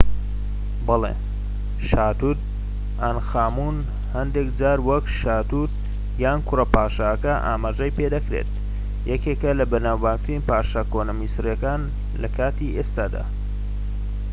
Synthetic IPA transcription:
bɐlḛ | ʃaːt̪ut̪̚ | anxaːmun | hɐnd̪ekd͡ʒaːɾwɐkʃaːt̪ut̪̚ | jaːnkʰʊrɐpaːʃaːkɐʔa̰ːmaːʒɐjped̪ɐkɾḛt̪̚ | jɐkekɐlɐbɐɾnaːwbaːkt̪ɾinpaːʃɐkonɐmisrjekaːn | lɐkʰaːt̪iʔest̪aːd̪a̰ː

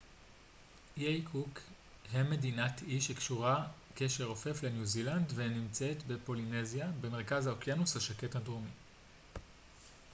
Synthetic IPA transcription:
jejkʰuk | heme̞dinatʰiʃekʃuʁakeʃeʁo̞fe̞fle̞njuzilandve̞nimt͡set̪be̞po̞line̞zjabe̞me̞ʁkazhaokjanushaʃake̞thadʁomi

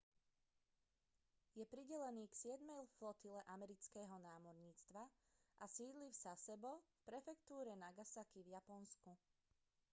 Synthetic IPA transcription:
jɛpɾiɟɛlɛniːksɪɛd̪mɛjflɔt̪ilɛʔamɛɾit͡skɛːɦɔnaːmɔɾɲiːt͡st̪ʋa | ʔasiːd̪lifzasɛbɔfpɾɛfɛkt̪uːɾɛnaɡasakivjapɔnsku

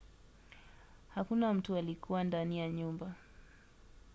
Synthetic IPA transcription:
hakunam̩tualikʰuwandanijaɲumba

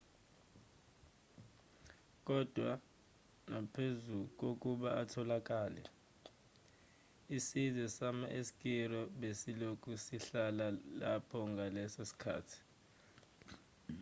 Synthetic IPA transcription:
k̬ʼɔd̥ʱwa | ŋapʰezuk̬ʼok̬ʼuɓaatʰɔlak̬ʼaːlɛ̰ | isizɛsamaʔesi̥kʼirɔɓesilokʼusiɬalala̰pʰɔŋɡalɛsesi̥kʰa̰ːtʰi̥

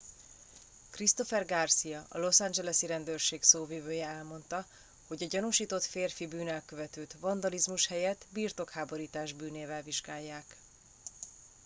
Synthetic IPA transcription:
krist̪o̞fɛrɡarsijɒʔɒ̰lo̞sand͡ʒɛlɛsiɾɛnd̪ørʃeːksoːvivøːjɛɛlmo̞nt̪ɒ | ho̞ɟɒɟɒnuʃiːt̪o̞t̪feːrfibyːnɛlkøvɛt̪øːt̪vɒnd̪ɒlizmuʃhɛjɛt̪ːbirt̪o̞khaːbo̞ɾiːt̪aːʒbyːneːvɛlviʒɡaːjːaːk

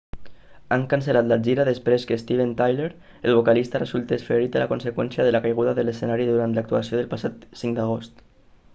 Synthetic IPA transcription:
aŋkansəlat̪lad͡ʒiɾaðəspɾeskəst̪iβent̪ajleɾ | əlˠβ̞okalist̪arəzulˠt̪esfeɾit̪əlakunsekwɛnsjaðəlakajɣuðaðələsenaɾiðuɾant̪lak̚t̪uasioðəlˠpasat̪siŋkd̪aɣ̞ost̪

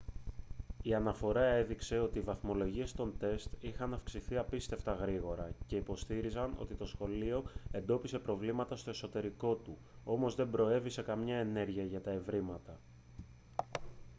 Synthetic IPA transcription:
iɐnɐfo̞ɾɐe̞ðikse̞o̞t̪iːvɐθmo̞lo̞ʝie̞st̪o̞nt̪e̞st̪ixɐnɐfksiθiɐpist̪e̞ft̪ɐɣɾiɣo̞ɾɐce̞ipo̞st̪iɾizɐno̞̰t̪it̪o̞sxo̞lio̞e̞nd̪o̞pise̞pɾo̞vlimɐt̪ɐst̪o̞e̞so̞t̪e̞ɾiko̞t̪u | o̞mo̞zðe̞mbɾo̞e̞vise̞kɐmɲɐe̞ne̞ɾʝiɐʝɐt̪ɐe̞vɾimɐt̪ɐ

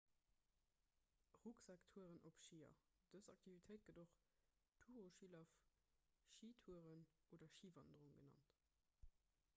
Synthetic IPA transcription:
ʁuksɑktʰuəʁənʔopʃiːɐ̰ | d̥əzɑ̰k̚tʰivitʰəɪt̚ɡ̥ədoχ | tʰuːʁoʃilɑf | ʃiːtʰuəʁənoːdɐʃiːvɑndəʁuŋɡənɑ̰nt

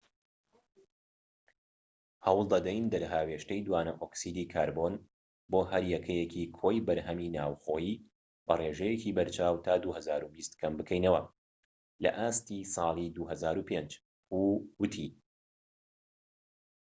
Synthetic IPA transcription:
hɐwlˠd̪ɐd̪ɛjnd̪ɐɾɦaːweʃtɐjd̪waːnɐʔoksid̪iːkʰaːɾbon | boːɦɐɾjɛkʰɛjɛkʰiːkʰojbɐɾɦɐmiːnaːwxoːjiː | b̥ɐreːʒɛjekiːbɐɾt͡ʃʰaːwt̪ʰaːd̪uhɐzaːɾubist̪kʰɐmbɨkʰɛjnɐwɐ | lɐ̰ʔaːst̪iːsˤɑːlˠid̪uɦɐzaːɾupʰeːnd͡ʒ | huːwɨt̪ʰi

